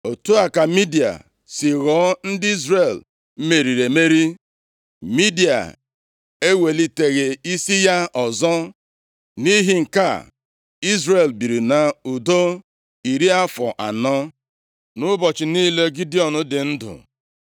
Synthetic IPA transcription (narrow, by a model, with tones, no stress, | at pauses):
o˨tu˦a˨ka˨mi˦di˨a̰˨ | sɪ˨ɣɔ˨˦n̩˦dɪ˦i˦zɾe˨l̩˦ | me˨ɾi˨ɾe˨me˦ɾi˦ | mi˦di˨a̰˨ | e˦we˨li˦te˨ɣe˨i˦si˦ja˦ʔɔ˨zɔ˦ | ni˦ɦɪ˨ŋ̩˨ka̰˦˨ | i˦zɾe˨lbi˨ɾi˨na˨u˨do˦ | i˨ɾi˦a˦fɔ̰˨ʔa̰˨nɔ˦ | nʊ˦bɔ˨t͡ʃɪ˨niː˦le˦ɡi˦di˦ɔ˨nʊ˦dɪ˨n̩˦dʊ̰˨